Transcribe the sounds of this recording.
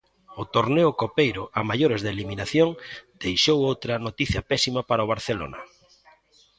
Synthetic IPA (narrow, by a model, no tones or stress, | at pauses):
ʊt̪oɾneʊkopejɾʊamajoɾezðeliminaθjoŋd̪̥ejʃowowt̪ɾɐnot̪iθjɐpɛsimapaɾaoβaɾθelo̰nɐ̰